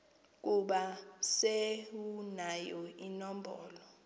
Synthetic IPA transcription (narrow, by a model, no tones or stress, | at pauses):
k̬ʼuɓaseunajɔinɔmbʱɔːlɔ